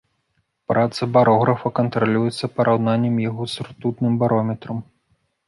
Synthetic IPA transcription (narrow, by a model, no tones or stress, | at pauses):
pɾʔat̪sɐbaɾʔɔɣɾɐfɐkɐnt̪ɾalʲujɛt̪sːɐpɐɾʔawnanʲːɛmjaɣɔsurt̪ut̪nɨmbaɾɔmʲɛt̪ɾɐm